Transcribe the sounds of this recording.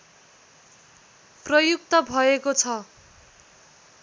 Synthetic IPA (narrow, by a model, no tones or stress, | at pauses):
prʌjukt̪ʌbʱʌekot͡sʰʌ